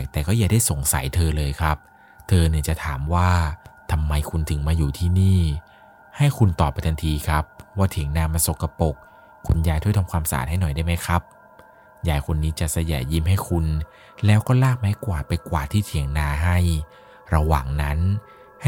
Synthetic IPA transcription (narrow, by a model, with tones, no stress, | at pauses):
t̪ɛː˨˩kɔː˥˩jaː˨˩da˥˩jso˨˩˦ŋsa̰˨˦jt̪ʰɤː˧lɤː˧jkʰa˦˥p̚ | t̪ʰɤː˧ni˧˩t͡ɕa˨˩t̪ʰaː˩˦mwaː˥˩t̪ʰa˧mːa˧jkʰu˧nt̪ʰɯ˨˩˦ŋmaː˧juː˨˩t̪ʰiː˥˩niː˥˩ | ha˥˩jkʰu˧nt̪ɔː˨˩pːa˧jt̪ʰa˧ŋt̪ʰiː˧kʰɾa˦˥p̚waː˥˩t̪ʰi˨˩˦əŋnaː˧ma˧so˨˩ka˧po˨˩k̚ʰː | ṵ˧njaː˧jt̪ʰu˥˩t̪ʰmkʰwaː˧msa̰˧a̰ː˨˩ha˥˩jnɔ˨˩jda˥˩jma˦˥jkʰɾa˦˥p̚ | jaː˨˩jkʰo˧nːiː˦˥t͡ɕa˨˩sa˧jɛ̰ː˨˩ji˥˩mha˥˩jkʰu˧n | lɛː˦˥wkɔː˥˩laː˥˩k̚ma˦˥kwaː˨˩pa˧jkwaː˨˩t̪ʰiː˥˩t̪ʰi˨˩˦əŋnaː˧ɦa˥˩j | ɾa˧waː˨˩ŋna˦˥n˥